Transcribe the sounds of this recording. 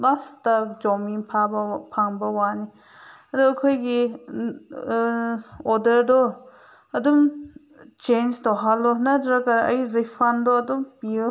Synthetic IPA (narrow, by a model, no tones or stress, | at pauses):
lastad͡ʒɔmiŋpʰabpʰaŋbɐwani | ɐdukʰɔjɡi | ɔdɐɾdɔ | ɐdum | t͡ʃend͡ʒdɔɦalɔnadɾakaɾɐ̰jɾipʰandɔɐdumpi